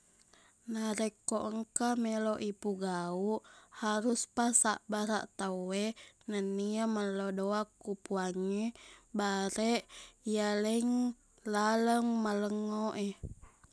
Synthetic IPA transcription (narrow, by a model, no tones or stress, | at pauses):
naɾekːoʔəŋkameloʔipuɡauʔhaɾuspasa̰ʔbaɾa̰ʔt̪awenəniaməlodoakːupuaɲibaɾɛʔijaləŋ | laləŋmaləŋoʔɛ